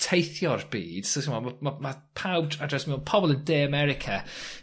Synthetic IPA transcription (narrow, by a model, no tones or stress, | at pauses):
tʰejθjɔrbḭːd̥sosimamamama | pʰaw̚dadɹɛsmiɔpʰɔbɔlˠə̃ndeːəmɛɾɪkʰa